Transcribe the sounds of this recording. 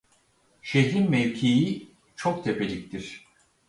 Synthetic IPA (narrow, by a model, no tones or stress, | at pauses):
ʃed̪inmevcʰeji | t͡ʃʰok̚t̪ʰepʰelʲic̚t̪ʰiɾ̥